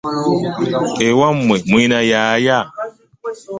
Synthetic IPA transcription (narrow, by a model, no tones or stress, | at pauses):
ewamːwɛminajaːja